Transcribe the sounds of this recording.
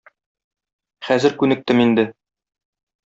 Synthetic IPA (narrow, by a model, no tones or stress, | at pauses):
χæzɘ̆ɾkʉnɘ̆k̚t̪ɘmind̪ɘ